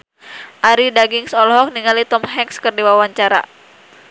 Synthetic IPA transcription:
ʔaɾidaɡiŋsɔlɦɔk̚niŋalit̪ɔmɦɛŋkskərdiwawaɲt͡ʃaɾa̰

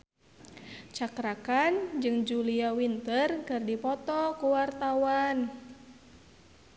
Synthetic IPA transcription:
t͡ʃakɾakand͡ʒɨŋd͡ʒuliawint̪ərkɨrdipɔt̪ɔkuwart̪awan

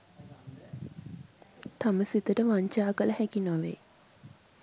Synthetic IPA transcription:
t̪aməsit̪əʈəʋaɲt͡ʃaːkələhækinaʋḛː

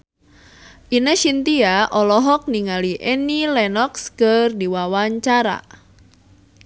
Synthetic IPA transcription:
ʔinəʃint̪iaʔɔlɔɦɔk̚niŋaliʔɛnilɛnɔkskərdiwawaɲt͡ʃaɾa̰

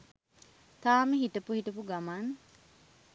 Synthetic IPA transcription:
t̪aːməɦiʈəpuhiʈəpuɡamaːn

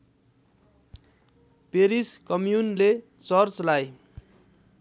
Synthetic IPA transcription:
peɾiskʌmjunle | t͡sʌrt͡slaj

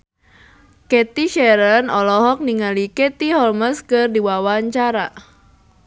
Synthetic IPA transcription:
kɛt̪iʃɛɾənɔlɔɦɔk̚niŋalikɛt̪iɦɔlməskɨrdiwawaɲt͡ʃaɾa

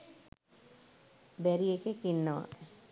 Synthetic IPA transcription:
bɛɾiekekinːəʋa̰

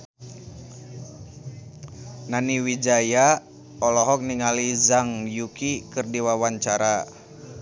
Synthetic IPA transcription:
naniwid͡ʒaja | ɔlɔɦɔk̚niŋalizaŋjukikɨrdiwawaɲt͡ʃaɾa

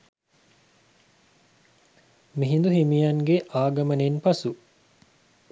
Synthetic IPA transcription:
miɦind̪uɦimijaŋɡeʔaːɡɐmɐnenpɐsu

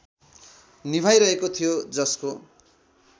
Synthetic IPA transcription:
nibʱajɾʌɦekot̪ʰijod͡zʌsko

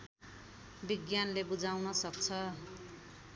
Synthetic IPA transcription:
biɡjanlebud͡zawnʌsʌk̚t͡sʰʌ

